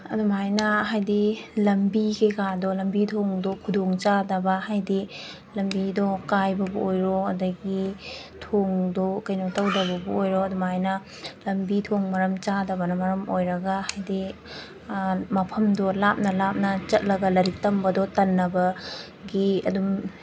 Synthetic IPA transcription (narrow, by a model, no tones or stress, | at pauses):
ɐdumɦajnɐɦajdilɐmbikʰijkadɔlɐmbitʰoŋdɔkʰudoŋt͡ʃadɐbɐhajdi | lɐmbidɔkajbɐbuojɾɔɐdɐɡitʰoŋdɔkɐjnotɐwdɐbɐbɐojɾoɐdumhajnɐ | lɐmbitʰoŋmɐɾɐmt͡ʃadɐbɐnɐmɐɾɐmojɾɐɡahajdi | mɐpʰɐmdɔlap̚nɐlap̚nɐt͡ʃɐt̚lɐɡɐlɐɾik̚tɐmbɐdɔtɐnːɐbɐ | ɡiɐ̰dum